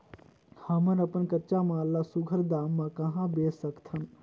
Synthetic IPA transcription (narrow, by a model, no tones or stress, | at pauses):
hɐmənɐpənkɐt͡ʃamãːlːasʊɡʱəɾd̪aːmːãkɐɦãbeːsəkt̪ʰən